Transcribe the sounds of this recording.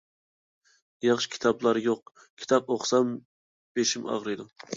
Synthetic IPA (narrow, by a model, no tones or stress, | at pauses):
jɑχʃi̥kʲʰi̥t̪ʰɑblˠɑɾjoq̚ | kʲʰi̥t̪ʰɑp̚oχsɑm | b̥eʃimɑ̰ʁɾɨjd̪u